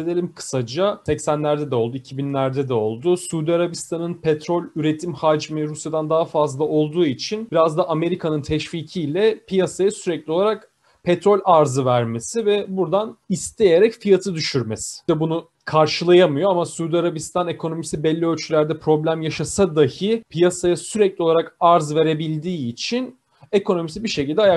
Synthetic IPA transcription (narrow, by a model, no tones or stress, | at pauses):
ed̪elʲimkʰɯ̥sad͡ʒasɛcsænlʲæɾd̪ɛd̪ɛo̞lˠd̪uicʰibinlʲæɾd̪ɛd̪ɛo̞lˠd̪ʊsuːd̪iaɾabist̪ʰanɯnpʰɛt̪ɾo̞lʲyɾe̞t̪ʰimhad͡ʒmiɾusjad̪and̪aɦafazlˠao̞lˠd̪uːit͡ʃʰinb̥iɾazd̪aʔːme̞ɾikʰanɯnt̪ʰɛʃviːcʰilʲɛpʰijasajasyɾɛclʲio̞lˠaɾak | pʰɛt̪ɾo̞lʲaɾzɯvæɾme̞sivɛbuɾd̪anist̪ʰe̞je̞ɾɛcfijat̪ʰɯd̪yʃyɾmesɪ̥ɛbunu | kʰaɾʃɯlˠajamɯjo̞amasyːd̪iaɾabist̪ʰane̞kʰo̞no̞misibɛlʲːiølʲt͡ʃʰylʲæɾd̪ɛpʰɾo̞blʲæmjaʃasad̪ahɯpʰijasajasyɾɛclʲio̞lˠaɾakaɾzve̞ɾe̞bilʲd̪iːt͡ʃʰin | e̞ko̞no̞misibiʃe̞cilʲd̪ɛaja